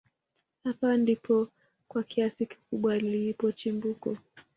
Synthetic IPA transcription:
hapandipʰɔ | kwakʰiasiki̥kuɓwalipɔt͡ʃimbukɔ̰

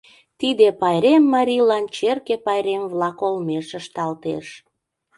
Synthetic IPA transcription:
t̪id̪epɑjɾemːɑɾʲilɑnt͡ɕerkepɑjɾemvlɑkolmeʃəʃt̪ɑlt̪ḛʃ

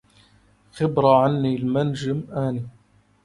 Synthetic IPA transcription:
xɪbɾaʕanːiːlmand͡ʒɪmʔaːni

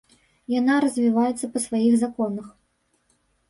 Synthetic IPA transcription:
janaɾɐzʲvʲivajɛt̪sːɐpɐsvajiɣzakɔnɐx

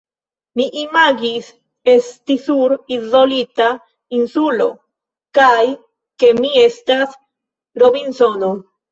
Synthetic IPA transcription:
miʔimaɡis | est̪isuɾizolit̪a | insulo̞ | kaj | ke̞mie̞st̪as | ɾoβinsono

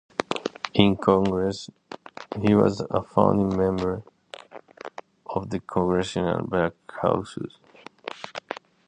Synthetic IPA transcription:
ʔɪ̃nkʰɔ̃ŋɡɹɛs | hiwʌ̰zəfã̰ʊ̃ndĩmɛ̃mbə˞ | ʔɔvðɨkʰɔ̃ŋɡɹɛʃənə̰lbækha̰ʊsɨ̰z̥

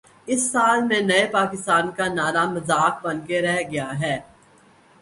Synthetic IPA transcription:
ɪsːaːlmẽnɐepaːkɪst̪aːnkanaːɾamɐzaːk̚bɐnkeɾɛɦɡɐjaɦɛː

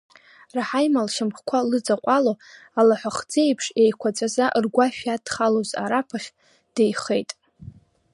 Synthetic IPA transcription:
raħajmalʃamχkʷʰalɨd͡zaqʷʼaloalaħʷaχd͡zejpʰʂejkʷʰat͡sʷʼazaʔrɡʷaʃᶣadχaloza̰ɾapʰaχʲ | d̥ejχe̞jtʼ

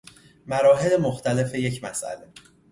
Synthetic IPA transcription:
mæɾɒːɦe̞lemoxt̪ʰæle̞fe̞je̞cmæ̰sʔæ̰le̞

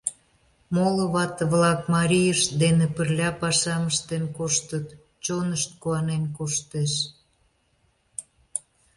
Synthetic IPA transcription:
moloβɑt̪əβlɑkmɑɾʲijəʃd̪enepərlʲɑpɑʃɑməʃt̪enkoʃt̪ət̪ | t͡ɕonəʃt̪̚kuɑnenkoʃt̪eʃ

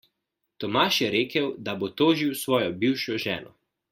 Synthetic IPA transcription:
t̪ɔmaːʃjɛɾeːkəwd̪abot̪oːʒiwsʋɔːjɔbiːwʃɔʒɛːnɔ̰

